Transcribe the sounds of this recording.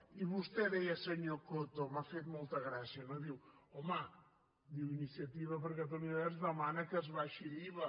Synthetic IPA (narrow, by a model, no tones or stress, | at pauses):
iβuʃt̪eɾɐjɐsɐɲokot̪omafeðmulˠt̪ɐɣɾasɐnɐ̃d̪iwɔma | d̪iwinisiɐt̪ivɐβɾɣɐt̪oniðɛʒðɐmanɐkɐzβaʃiɾiβɐ